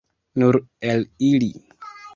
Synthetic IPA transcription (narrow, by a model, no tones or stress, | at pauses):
nuɾelili